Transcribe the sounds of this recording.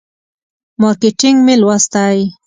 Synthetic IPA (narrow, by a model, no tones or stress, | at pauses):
mɑɾkeʈɪŋɡmelwast̪aj